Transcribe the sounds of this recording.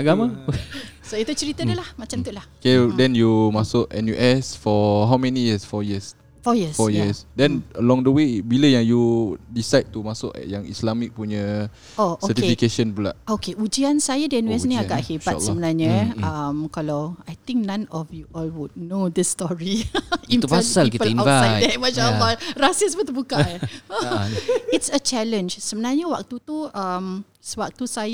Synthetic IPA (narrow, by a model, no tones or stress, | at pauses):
aɡama | soit̪ut͡ʃəɾit̪ədəlahmat͡ʃamt̪uʔlahkedɛ̃njumasʊkɛ̰̃njuʔɛsfɔɦawmɛnijəsfɔjiəs | fɔjisfɔjiəsdɛ̃nəlɔ̃ŋdəwebiləjaŋjudisajd̚t̪umasʊkɛ̰jãŋḭslamik̚puɲə | osoəɛt̪ifikeʃənpula̰ʔokeʔud͡ʒiansajadɛnuwɛsnĩaɡaʔhebat̪səbənarɲə̃əmkalawajt̪ĩŋk̚nãnɔfjuʔɔlwud̚nod̪əsːt̪ɔɹiĩnupasalkitpəinaajdɛmaʃaʔəlːɔrasəsbət̪ubuka | itsət͡ʃɛlə̃nd͡ʒsəbənarɲəwak̚t̪ut̪uəm | swak̚t̪usaj